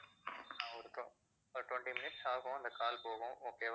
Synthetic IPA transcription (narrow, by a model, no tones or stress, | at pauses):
ãɔɾɯkɐ | ɔɾʈwɐɳʈimɪnɪʈsaːɣõɐnd̪ɐkaːlpoːɣʊ̃oːkːeːʋ